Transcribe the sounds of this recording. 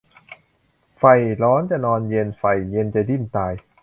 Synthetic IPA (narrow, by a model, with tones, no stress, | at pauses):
fa˨˩jɾɔː˦˥nt͡ɕa˨˩nɔː˧nje˧nfa˨˩jːe˧nt͡ɕa˨˩di˥˩nt̪aː˧j